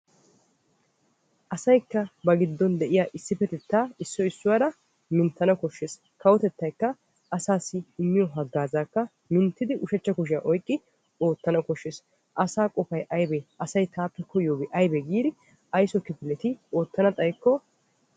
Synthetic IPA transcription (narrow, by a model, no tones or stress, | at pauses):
ʔɐsɐjkːɐbɐɡɪd̪ːɔnd̪ɛʔɪjaːʔɪsːɪfɛt̪ɛt̪ːaːɪsːɔɪsːʊwɐɾɐ | mɪnt̪ːɐnɐkɔʃːeːs | kɐwɔt̪ɛt̪ːɐjkːɐ | ʔɐsaːsːɪɪnːɪjɔɦɐɡːaːzaːkːɐ | mɪnt̪ːɪd̪ɪʔʊʃɛt͡ʃːɐkʊʃ̬ɪaʔɔjkʼːɪ | o̞ːt̪ːɐnɐkɔʃːeːs | ʔɐsaːkʼɔfɐjʔɐjbeɐsɐjt̪aːpːɛkʰɔjoːbɪʔɐjbɛɡiːd̪ɪ | ɐjsɔkɪpɪlɛt̪ɪo̞ːt̪ːɐnɐt̪ʼɐjkːɔ